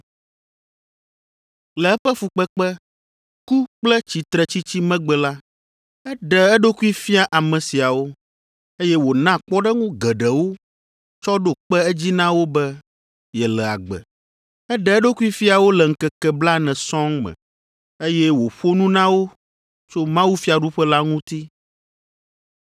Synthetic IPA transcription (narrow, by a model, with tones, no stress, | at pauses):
lɛ˨ɛ˦ɸɛ˦fu˨k͡pɛ˦k͡pɛ˦ | ku˦k͡plɛ˦t͡ɕi˨t̪ɾɛ˨t͡ɕi˦t͡ɕi˦mɛ̃˦ɡ͡bɛ˨la˦ | ɛ˦ɖɛ˨ɛ˦ɖo˦ku˦i˦fi˦a˨ʔa˨mɛ̃˨si˨a˨wo˦ | e˦jɛ˦wo˨nã˦k͡pɔ˦ɖɛ˦ŋũ˦ɡɛ˨ɖɛ˨wo˦ | t͡ʃɔ˦ɖo˦k͡pɛ˦ɛ˦d͡ʑi˦nã˦wo˦bɛ˦ | jɛ˨lɛ˨a̰˨ɡ͡bɛ̰˨ | ɛ˦ɖɛ˦ɛ˦ɖo˦ku˦i˦fi˦a˨wo˦lɛ˨ŋ̩˨kɛ˨kɛ˨bla˦nɛ̃˨sɔ̃˦ŋmɛ̰̃˨ | e˦jɛ˦wo˨ɸo˦nũ˦nã˦wo˦ | t͡ʃo˦mã˦wu˦fi˦a˨ɖu˦ɸɛ˦la˦ŋũ˦t̪i˦